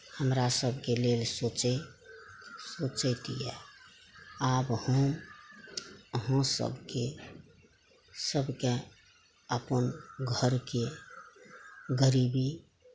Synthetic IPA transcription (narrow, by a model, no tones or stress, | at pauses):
həmɾasəbʱkelelsot͡ʃ | sot͡ʃət̪ijɛ̰ | abhəm | əɦãsə̰bʱke | səbʱke | əpənɡʱəɾke | ɡəɾibi